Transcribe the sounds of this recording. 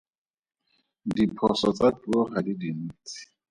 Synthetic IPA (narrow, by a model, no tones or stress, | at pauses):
dipʰɔsɔt͡satuɔχadidiniːt͡si̥